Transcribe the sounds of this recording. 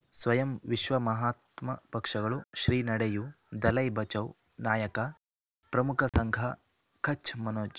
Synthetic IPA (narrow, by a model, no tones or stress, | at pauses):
sʋɐjɐmʋiʃʋɐmɐɦaːt̪mɐpɐkʂɐɡɐɭuʃɾiːnɐɽeju | d̪ɐlɐjbʱɐt͡ʃɐw | naːjɐkɐ | pɾɐmukʰɐsɐŋɡʱɐ | kʰɐt͡ʃʰmɐnoːd͡ʒ